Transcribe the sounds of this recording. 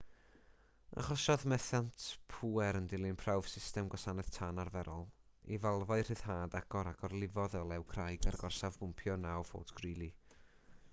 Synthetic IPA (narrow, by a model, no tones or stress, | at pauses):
a̰χɔʃɔðmɛθjantʰpʰuɛɾəndɪlˠɨnpʰrawv̥sɪstɛmɡwɔsanɛð̥tʰanarvɛɾʔɔlˠ | ḭvalˠvɔɨr̥ɨð̥haːdaɡ̥ɔɾaɡɔrlˠɪvɔðɔlˠɛwkʰrajɡarɡɔrsavɡʊmpʰjɔnawfo̰ːdɡ̥rilˠi